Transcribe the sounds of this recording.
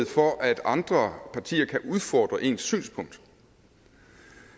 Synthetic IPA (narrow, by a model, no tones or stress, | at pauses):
ð̩ˠfɒʔæd̥ɑ̈nd̥ʁɐpʰɑ̈t͡sʰḭːɐkʰæʔuðˠfɒ̰ːd̥ʁɐʔe̝nsːy̰ːnspʰɔ̽ŋ̰d̥